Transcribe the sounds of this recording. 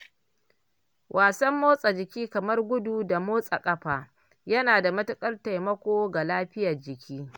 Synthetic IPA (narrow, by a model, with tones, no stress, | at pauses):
wʔaː˨sɐ˦mːoː˦sʼa˨d͡ʒɪ˨kʲiː˦kɐ˨mɐ˦rɡʷʊ˦du˨da˨moː˦sʼa̰˨kʼɐ˦ɸaː˨ | jɐ˦naː˨da˨mɐ˦tʊ˦kʼɐ˦rta˨jmɐ˦kʷoː˦ɡa˨laː˦ɸɪ˦ja˨rd͡ʒɪ˨kʲʰiː˦